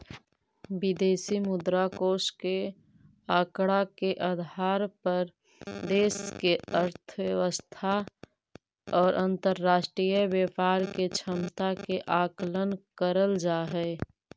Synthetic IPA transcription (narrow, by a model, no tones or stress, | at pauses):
bid̪eːsimʊd̪ɾakoːske | aːkɽakeʔəd̪ʱaːɾpəɾ | d̪eːskeəɾt̪ʰəwjəʋəst̪ʰa | ɔːɾʔə̃nt̪əɾːaːʃʈɾijəbjəpaːɾket͡ʃʰəmt̪akeʔaːklənkəɾəld͡ʒaːɦɛ